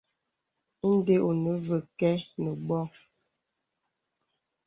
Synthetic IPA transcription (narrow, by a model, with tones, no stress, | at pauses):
n̩˦de˦ʔo˨nə˨˦və˨kɛ˦nə˨bɔ˦